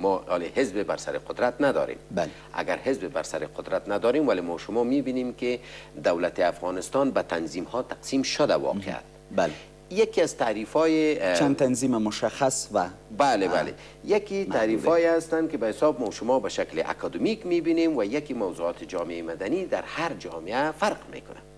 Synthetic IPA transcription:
mɔlehɪzbebaɾsa̰ɾɪqʊd̪ɾat̪nad̪ɔ̰ɾḛml | a̰ɡaɾhɪzbeba̰ɾsaɾɪqʊd̪ɾat̪nad̪ɔɾemwalemɔʃʊmɔmebinemkɪd̪awlat̪ɪafɣɑnɪst̪ɑnbat̪anzimhɔt̪aqsimʃʊd̪awɒ̰qʰea̰t̪ | bl | jakiazt̪aɾifɔjet͡ʃant̪anzimamʊʃaxaswabalebalḛ | jakiaɾifɔjeast̪ankɪbahɪsɔb̚mɔʃʊmɔbaʃaklɪʔa̰kɔd̪ʊmikmebinemwajakimawzuɑt̪ʰɪd͡ʒɔmeejmad̪anid̪aɾhaɾd͡ʒɔ̰mɪafaɾqmḛkʊna̰

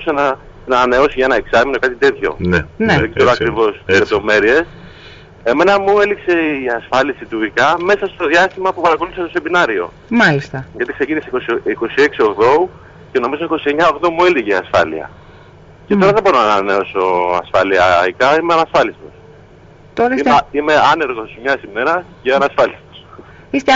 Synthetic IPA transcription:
senɐ | nɐne̞o̞siʝɐenɐeksɐminokɐt̪it̪e̞t̪ço̞̰nneðeɡzeɾoɐkɾivo̞st̪izle̞p̚t̪o̞me̞ɾie̞s | e̞me̞nɐmue̞likse̞iɐsfɐlisit̪uikɐme̞sɐst̪o̞ðjɐst̪imɐpupɐɾɐko̞luθisestose̞minɐɾio̞̰ | mɐlist̪ɐʝɐt̪ikse̞cinisekosiko̞sie̞ksio̞ɣðo̞ | ceno̞mizoniko̞sie̞ɲɐo̞ɣðo̞mueliʝeiɐsfɐ̰lḭɐ̰ | ceo̞ɾɐðe̞bo̞ɾonɐnɐneo̞soɐ̰sfɐliɐikɐimeɐnɐsfɐlist̪os | t̪oɾiime̞ɐne̞ɾɣo̞smɲɐsime̞ɾɐceɐnɐsfɐlist̪o̥s | ist̪

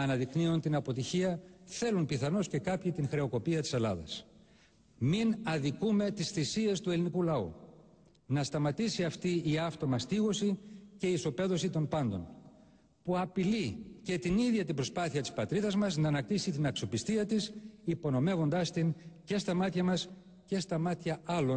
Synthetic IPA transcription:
ɐnɐðikniont̪inɐpo̞t̪içiɐθe̞lunpiθɐno̞sce̞kɐpçit̪iŋxɾe̞o̞ko̞piɐt̪i̥se̞lɐðɐ̰s | minɐðikume̞t̪isθisie̞st̪ue̞linikulɐu | nɐst̪ɐmɐt̪isiɐft̪iːɐft̪o̞mɐst̪iɣo̞sice̞iːso̞pe̞ðo̞sit̪o̞mpɐnd̪o̞̰n | puɐpilice̞t̪iniðʝɐt̪ibɾo̞spɐθiɐt̪i̥spɐt̪ɾiðɐzmɐznɐːnɐk̚t̪isit̪inɐksio̞pist̪iɐt̪isipo̞no̞me̞vo̞nd̪ɐst̪ince̞st̪ɐmɐt̪çɐmɐs | ce̞st̪ɐmɐt̪çɐɐlo̞n

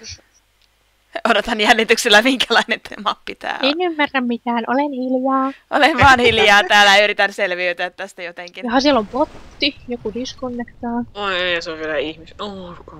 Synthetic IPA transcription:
odot̪ɑnjænːit̪ykselːæmiŋkælɑinent̪mɑpːit̪æ̰ːenymːærːæmmit̪æːnʔolenhiljɑːʔo̰lenʋɑːnhiljɑːt̪æːlæyɾit̪ænselʋiøyt̪yæt̪t̪æst̪æjot̪eŋkinohɑsielompot̪ːijokunyskonːekt̪ɑːoeːseoʋʋilæihmisoko

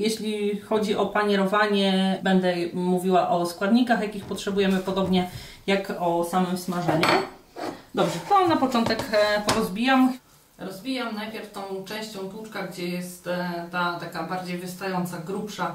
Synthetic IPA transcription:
jeɕlʲixɔd͡ʑiʔɔpaɲɛɾɔvaɲɛbɛnd̪ɛmuvʲiwaʔɔskwad̪ɲikaxjakʲixpɔtʂɛbujɛmɘpɔd̪ɔbɲɛ | jakɔsamɘmsmaʐɛɲu | d̪ɔbʐɛt̪ɔnapɔt͡ʂɔnt̪ɛkpɔɾɔzbʲijam | ɾɔzbʲijamnajpʲjɛɾft̪ɔ̃w̃t͡ʂɛ̃w̃ɕt͡ɕɔ̃w̃put͡ʂkaɡd͡ʑɛjɛst̪t̪ːat̪akabaɾd͡ʑejvɘst̪ajɔnt̪saɡɾupʂa

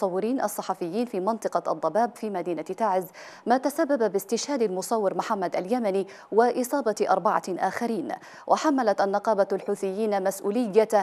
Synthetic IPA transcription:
ɑwːɪɾiːnʔɑ̰sˤːɑħɑfɪjːiːnfiːmɑnt̪ˤɨqɑʔɑ̰d̪ˤːɑbaːbfiːmad̪iːnat̪aʕɪz | maːt̪asabːababɪst̪ɪʃhaːd̪almʊsˤɑwːɪɾmʊħamːad̪aljamani | wɪʔɨsˤɑːbɑʔɑɾˤbɑʕɑ̰ʔaːxaɾiːn | wʔaħamːalat̪ʔanːɑqɑːbaalħuːθɪjːiːnmasʔuːlɪjːa

